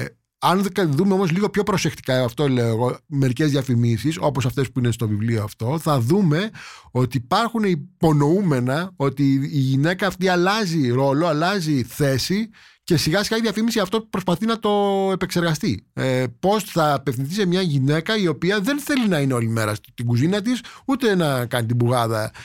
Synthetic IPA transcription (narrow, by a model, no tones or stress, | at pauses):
ɐnððumeo̞mo̞zliɣo̞pço̞pɾo̞se̞xt̪i̥kɐepɐft̪o̞le̞oeɣo̞me̞ɾice̞zðiɐfimisiso̞po̞sɐft̪e̞spuinest̪o̞vivlioɐft̪o̞θɐðume̞o̞t̪iːpɐɾxuneipo̞no̞ume̞nɐo̞t̪iːʝine̞kɐːft̪iɐlɐziɾo̞lo̞ɐlɐziθe̞si | ce̞siɣɐsiɣɐiðiɐfimisiɐft̪oupɾospɐθinɐt̪o̞e̞pe̞kse̞ɾɣɐst̪ipo̞sθɐːpefθinθise̞mɲɐʝine̞kɐio̞piɐðe̞nθe̞linɐine̞o̞lime̞ɾɐst̪iɡuzinɐt̪̬isut̪e̞nɐkɐnit̪̬ibuɣɐðɐ